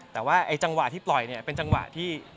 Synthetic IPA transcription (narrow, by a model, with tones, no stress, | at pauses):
t̪ɛː˨˩waː˥˩ʔa˧jt͡ɕa˧ŋwa˨˩t̪ʰiː˥˩plɔ˨˩jni˥˩ɐpe˧nt͡ɕa˧ŋwa̰˨˩t̪ʰiː˥˩